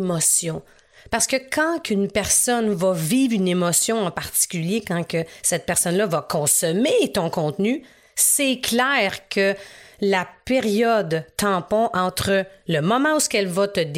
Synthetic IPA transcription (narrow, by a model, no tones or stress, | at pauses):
mɔsjɔ̃ | paʁsə̥kəkʰɑ̃kynpɛʁsɔnvavivʁynemɔsjɔ̃ɑ̃paʁt̪i̥kʲyljekɑ̃kəsɛt̪̚pɛʁsɔnlʌvakɔ̃sɔmet̪ɔ̃kɔ̃t̪ny | sɛkʰlɛːʁkʰəlapeʁjɔd̪t̪ɑ̃ːpɔ̃ʔɑ̃ːt̪χələmɔmɑ̃uskɛlvʌt̪əd̪